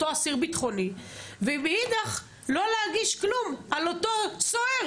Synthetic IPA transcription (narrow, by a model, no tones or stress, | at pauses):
oasiʁbit̪χo̞nivemeid̪aχ | lo̞lehaɡiʃklumalotot͡soeʁ